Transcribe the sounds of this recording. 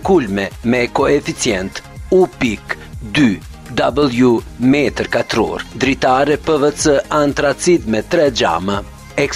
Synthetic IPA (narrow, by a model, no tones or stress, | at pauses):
kulmɛmɛkɔɛfit͡sjɛnt̪upik | d̪y | d̪abəlˠjumɛt̪əɾkat̪ɾɔ̰ɾd̪ɾit̪aɾɛpəvɛt͡səant̪ɾat͡sid̪mɛt̪ɾɛd͡ʒa̰ma | ɛk